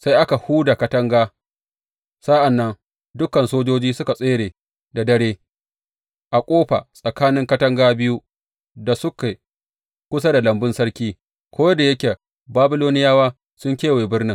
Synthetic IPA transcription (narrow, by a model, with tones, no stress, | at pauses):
sa˦jʔa˦ka˨huː˦da˨kɐ˦tɐ˦ŋɡaː˦ | sa˦ʔa˨nːɐ˦ŋ | dʊ˦kːɐ˨nsoː˦d͡ʒoː˦d͡ʒiː˦sʊ˦ka˨sʼeː˦ɽeː˨ | da˨dɐ˦ɽeː˦ | ʔa˨kʷʼoː˦ɸa̰˨sʼɐ˨kaː˦nɪ˦ŋkɐ˦tɐ˦ŋɡaː˦bɪ˦ju˦ | da˨sʊ˦ke˨ | kʷʊ˦s̬a˦da˨lɐ˨mbɪ˦nsɐ˦ɽkʲiː˦ | kʷoː˦jda˨jɐ˦kʲe˨ | baː˦bɪ˦loː˦nɪ˦jaː˦waː˦ | sʊ˦ŋkʲeː˦weː˨bɪ˦ɽnɪ˦ŋ